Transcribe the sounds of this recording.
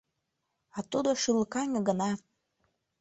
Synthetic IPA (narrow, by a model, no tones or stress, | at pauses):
ɑt̪ud̪oʃɯlkɑnʲəɡənɑ